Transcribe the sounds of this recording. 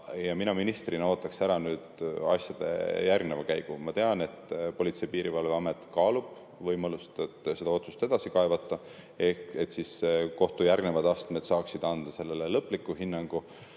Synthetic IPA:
jɑminɑminist̪rino̞ːt̪ːˑɑksæɾɑnyːd̪̥ɑ̰sjɑd̪̥e̞̰jærɡnevɑkæjɡ̥umɑt̪e̞ɑne̞t̪po̞lʲit̪se̞jpiːɾivɑlveɑme̞t̪kɑːlub̥ | vɤjmɑlust̪ɑd̪se̞d̪ɑo̞t̪su̥st̪e̞d̪̥ɑsikɑevɑt̪ːˑɑ | ehke̞t̪sisko̞ht̪ujærɡne̞vɑd̪ɑst̪me̞d̪̥sɑːksid̪̥ɑnd̪̥ɑse̞lːelelɤpːˑlikːˑuɦinːɑŋɡ̥u

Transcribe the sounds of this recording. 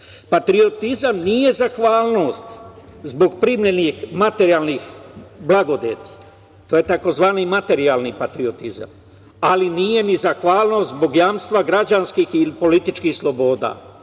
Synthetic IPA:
pat̪ɾio̞t̪izamnije̞zaxʋaːlˠno̞ːst̪zbo̞ɡpɾimʎenixmat̪eɾiaːlnixblˠaɡo̞d̪ḛt̪ | t̪oːje̞t̪ako̞zʋaːnimat̪e̞ɾiaːlnipat̪ɾiot̪iza̰m | alinije̞nizaxʋaːlno̞ːst̪zbo̞ɡjaːmst̪ʋaɡɾad͡ʒanskiːxilipo̞lit̪it͡ʃkiːxslˠo̞bo̞ːd̪a̰ː

